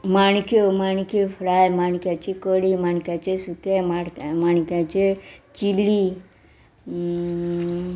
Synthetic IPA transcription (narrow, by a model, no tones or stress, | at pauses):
maɳkjomaɳkjɔfɾajmaɳkjat͡ɕikəɽimaɳkjat͡ɕesut̪emaɽmaɳ̃kjat͡ɕet͡ɕili